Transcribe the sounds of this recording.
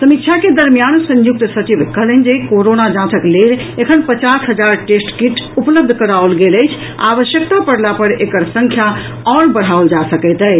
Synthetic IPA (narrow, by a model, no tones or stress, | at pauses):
səmit̪t͡ʃʰaked̪əɾmjansə̃ɲjuk̚t̪sət͡ʃibkəɦlənd͡ʒekoɾonad͡ʒãt̪ʰəklelekʰənpət͡ʃasɦəd͡ʒaɾʈesʈkiʈupləb̚d̪ʱkəɾaolɡeləjt͡ʃʰ | a̰ʋəʃjək̚t̪apəɽlapəɾekəɾsə̃ŋkʰja | ɔɾbəɽ̤ɦaold͡ʒasəkɛjt̪ɛ